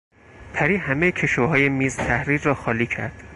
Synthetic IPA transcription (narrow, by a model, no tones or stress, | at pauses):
pʰæɾiːhæmejcʰeʃvoɦɒːjemiːzt̪ʰæhɾiːɾːɒːxɒːliːcʰæ̰ɾd̪̥